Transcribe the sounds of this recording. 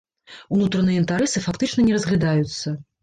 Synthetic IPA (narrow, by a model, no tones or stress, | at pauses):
unut̪ɾɐnɨjɛint̪aɾɛsɨfakt̪ɨt͡ʂnɐnʲɛɾɐzɣlʲad̪ajut̪sːɐ